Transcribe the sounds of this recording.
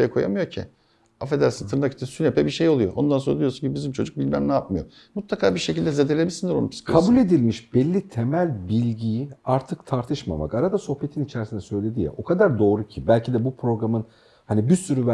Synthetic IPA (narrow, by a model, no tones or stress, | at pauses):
jɛkʰo̞ja̰mɯjocʰḭ | afed̪æɾsɯt̪ʰɯɾɯnaki̥t̪ɛsynepʰɛbiɾʃejo̞lˠujoʔond̪ansoɾad̪ujosuɲcibizimt͡ʃʰo̞d͡ʒuk̚bilʲmæmnaːp̚mɯjo̰ | mut̪lˠakʰaːbiɾʃecilʲd̪ɛzed̪elʲebilʲsind̪iɾo̞nupʰi̥skʰkʰabulʲe̞d̪ilʲmiʃbɛlʲːit̪ʰe̞mælʲbilʲɟijiaɾt̪ʰɯkt̪ʰaɾt̪ʰɯʃma̰ma̰kaɾad̪aso̞hpe̞t̪ʰinit͡ʃʰæɾsinɛsø̞jlʲe̞d̪ijɛ̰ʔo̞kʰad̪aɾd̪o̞ːɾucʰibælʲcʰid̪ɛbupʰɾo̞ɡɾamɯn | hanibisyɾyv